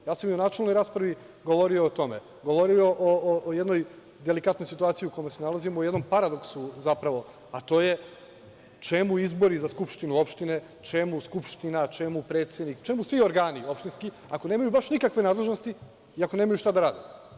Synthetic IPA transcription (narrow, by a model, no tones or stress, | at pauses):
jaːsamionaːt͡ʃelnojɾaːspɾaʋi | ɡo̞ʋo̞ɾio̞ːt̪o̞me̞ | ɡo̞ʋo̞ɾioʔoʔjed̪no̞j | d̪elikat̪no̞jsit̪uaːt̪sijiuko̞josenalazimujed̪no̞mpaɾad̪o̞ksuzapɾaʋo̞ | at̪o̞ːje̞ | t͡ʃemuizbo̞ɾizaskupʃt̪inuo̞pʃt̪ine̞ | t͡ʃemuskupʃt̪inat͡ʃemupɾeːt̪sjed̪nikt͡ʃe̞musʋio̞ɾɡaːnio̞pʃt̪inski | ako̞ne̞ːmajubaʃnikakʋe̞naːd̪le̞ʒno̞st̪i | iako̞ne̞ːmajuʃt̪ad̪aɾaːd̪e